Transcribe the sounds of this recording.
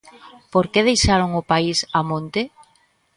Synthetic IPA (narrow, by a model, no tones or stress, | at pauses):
poɾkeð̞ejʃaɾoŋʊpaisamõnt̪e